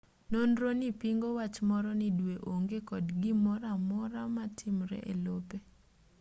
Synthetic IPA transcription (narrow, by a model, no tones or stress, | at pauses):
nondɾonipiŋɡowat͡ʃmɔɾɔnɪdweʔoŋɡekɔdɡɪmɔɾamɔɾamatʰɪmɾɛ̰ʔḛlope